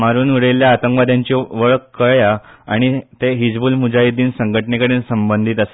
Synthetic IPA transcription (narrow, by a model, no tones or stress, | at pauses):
maɾuːnuɽeljaːt̪əŋkʋad̪ʱjaɲt͡ɕiʋəɭkkːəɭjaa̰ɽ̃it̪eɦid͡zbuːlmud͡ʑajid̪iːnsəŋɡʱəʈɳekəɽeːnsəmbənd̪ʱiːt̪əse̥